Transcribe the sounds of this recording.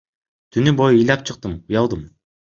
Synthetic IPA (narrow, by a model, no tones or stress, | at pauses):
t̪ʰynybo̞jːjlʲɑp̚t͡ʃʰɯq̚t̪ɯmujɑlˠd̪ɯm